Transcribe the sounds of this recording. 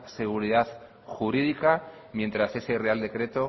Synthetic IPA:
se̞ɣuɾiðaθ | xuɾiðika | mje̞nt̪ɾase̞se̞re̞ald̪e̞kɾe̞t̪o̞

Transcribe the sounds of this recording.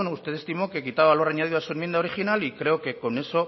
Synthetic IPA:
nust̪e̞ðest̪imokekit̪aaloraɲaðiðuasuemjend̪aoɾixinalikɾe̞oke̞koneso̞

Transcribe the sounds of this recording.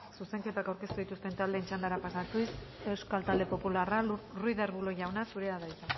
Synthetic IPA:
suse̞ŋke̞t̪akawɾke̞st̪uðit̪ust̪e̞nt̪ald̪e̞ːnt͡ʃand̪aɾapasat̪use̞wskalt̪ald̪e̞po̞pulararujðaɾβulo̞ʝawnasuɾe̞aðajt̪a

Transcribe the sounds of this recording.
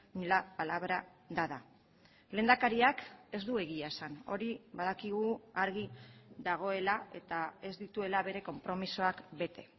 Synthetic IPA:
nilapalaβɾaðaða | le̞ːnd̪akaɾiake̞zd̪ue̞ɣiaesano̞ɾiβaðakiɣ̞uaɾɣiðaɣ̞o̞e̞lae̞t̪ae̞zd̪it̪ue̞laβe̞ɾe̞ko̞mpɾo̞misoakbe̞t̪e̞

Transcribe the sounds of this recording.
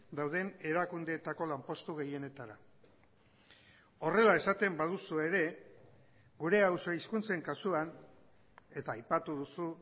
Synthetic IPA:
d̪awð̞e̞ne̞ɾakund̪e̞ːt̪ako̞lampo̞st̪uɣe̞je̞ne̞t̪aɾa | o̞re̞lae̞sat̪e̞mbað̞usue̞ɾe̞ | ɡuɾe̞awso̞iskunt͡se̞ŋkasuan | e̞t̪aːjpat̪uðusu

